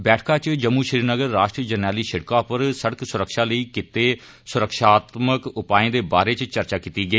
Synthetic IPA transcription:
bɛːʈʰkãːt͡ʃd͡ʒəmːuːʃɾiːɾnəɡəɾːaːʃʈɾiəd͡ʒənaːliːʃəɽkãːpəɾsəɽksʊɾəkʃaːləiːkɪt̪eː | sʊɾəkʃaːt̪məkʊpaːẽːd̪eːba̰ːɾeːt͡ʃt͡ʃəɾt͡ʃaːkit̪iːɡəiː

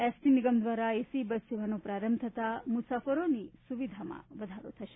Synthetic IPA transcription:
ɛsʈiniɡɐmd̪ʋaːɾaesibɐseʋanopɾaːɾəmt̪ʰɐt̪amusaːfɐɾonisuʋid̪ʱama̰ʋɐd̪ʱaɾo̰t̪ʰɐʃe̥

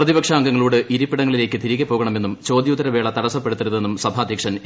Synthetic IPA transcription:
rɐðibɐkʂaːŋɡɐŋːɐɭuːɽeʔiɾupːiɽɐŋːɐɭile̞ːkʲːɨt̪iɾiɣɐpːo̞ːɣɐɳɐmenːumt͡ɕo̞ːd̪jud̪ɐɾɐʋe̞ːɭɐt̪ɐɽɐsːɐpːe̞ɽut̪ːiɾuðe̞nːumsɐbʱaːd̪ʱjɐkʂɐn

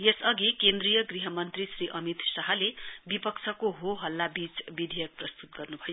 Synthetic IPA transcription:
jesʌɡikend̪rijʌɡriɦʌmʌnt̪risriʔʌmit̪saɦʌlebipʌkt͡sʰʌkoɦoɦʌlːabit͡sbid̪ʱijʌk̚prʌst̪ut̪̚ɡʌrnubʱʌjo

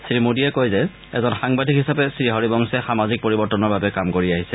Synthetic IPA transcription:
sɹimodiɛkojzɛ | ɛ̰zɔnxaŋbadʱikɦisapɛsɹiɦɔɹibɔŋsɛxamazik̚poɹibɔɹtɔnɔɹbabɛkamkoɹiaɦisɛ

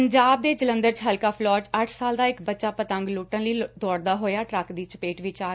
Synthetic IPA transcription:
əɲd͡ʒaːb̚d̪eːd͡ʒələ̃nd̪əɾt͡ʃɦəlkaːpʰlɔːt͡ʃəʈʰsaːld̪aːɪkbətːʃaːpət̪ə̃ŋɡluːʈə̃nləiːd̪ɔːɽd̪aːɦoːjaːʈɾəkd̪iːt͡ʃəpeːʈʋɪt͡ʃaː

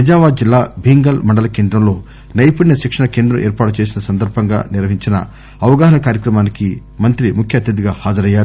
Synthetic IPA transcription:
pɐd͡ʒaːʋaːd̪̚d͡ʒilːaːbʱiːŋɡɐlmɐɳɖɐlɐke̞ːnd̪ɾɐmlo̞ː | nɐjpuɽnɐʃikʂɐnɐke̞ːnd̪ɾɐmʔeːɾpaːʈut͡ʃeːsinɐsɐnd̪ɐɾbʱɐŋɡa̰ːniɾʋɐɦiɲt͡ʃinɐ̰ | ɐʋɐɡaːɦɐnɐkaːɾjɐkɾɐmaːniki | mɐnt̪ɾimukʰjɐːt̪jɐd̪iɡaːhaːd͡ʒɐɾɐjːaːɾu

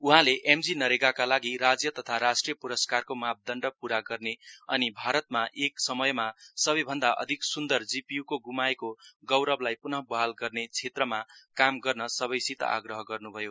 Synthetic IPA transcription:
uɦãleʔemd͡zinʌɾeɡakalaɡiɾad͡zjʌt̪ʌt̪ʰaɾasʈrijʌpuɾʌskarkomap̚d̪ʌɳɖʌpuɾaɡʌrneʌ̰nibʱaɾʌt̪̚maʔeksʌmʌjmasʌbʌjbʱʌnd̪aʔʌ̰d̪ʱiksund̪ʌrd͡zipijukoɡumaekoɡʌwɾʌblajpunʌɦbʌɦalɡʌrnet͡sʰet̪rʌmakamɡʌrnʌsʌbʌjsit̪ʌ̰ʔa̰ɡrʌɦʌɡʌrnubʱʌjo

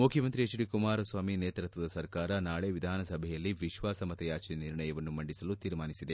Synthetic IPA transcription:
mukʰjɐmɐnt̪ɾiɐt͡ʃiɽikumaːɾɐsʋaːmineːt̪ɾɐt̪ʋɐd̪ɐsɐɾkaːɾɐnaːɭeʋid̪ʱaːnɐsɐbʱɛjɐlːiʋiʃʋaːsɐmɐt̪ɐjaːt͡ʃiniɾɳɐjɐʋɐnːumɐɳɖisɐlut̪iːɾmaːnisid̪e

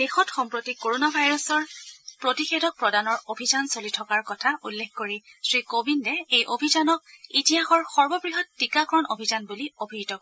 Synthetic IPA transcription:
d̥exɔtxɔmpɹotikoɹonabʱajɹɔsɔɹpɹotixedɔk̚pɹɔdanɔɹobʱizansolitʰɔkaɹkɔtʰaulːexkoɹisɹikobindɛejʔobʱizanɔk̚itiɦaxɔɹxɔɹbɔbɹiɦɔtːikakɔɹɔnobʱizanbuliobʱitɔk̚

